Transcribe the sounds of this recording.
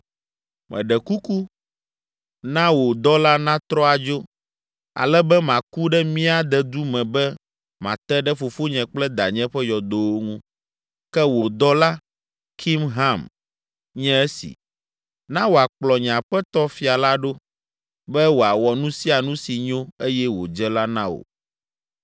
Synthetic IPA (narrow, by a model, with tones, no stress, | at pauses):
mʔɛ̰̃˨ɖɛ˨ku˦ku˦ | nã˦wo˨d̪ɔ˦la˦nã˦t̪ɾɔ˦a˨d͡ʒo˦ | a̰˨lɛ˦bɛ˦mã˨ku˦ɖɛ˦mĩ˦a˨d̪ɛ˦d̪u˦mɛ̃˨bɛ˦ | mã̰˨t̪ɛ˦ɖɛ˦fo˨fo˦ɲɛ̃˨k͡plɛ˦d̪a̰˨ɲɛ̃˦ɸɛ˦jɔ˨d̪o˨˦wo˦ŋũ˦ | kɛ˦wo˨d̪ɔ˦la˦ | kʰi˦mɦã˦˨m | ɲɛ̃˦ɛ˦sḭ˨ | nã˦wo˨a˨k͡plɔ˨ɲ˨ã˨ɸɛ˦t̪ɔ˦fi˦a˨la˦ɖo˦ | bɛ˦wo˨a˨wɔ˨nũ˦si˦a˨nũ˦si˨ɲõ˦e˦jɛ˦wo̰˨d͡ʒɛ˦la˦nã˦wo̰˨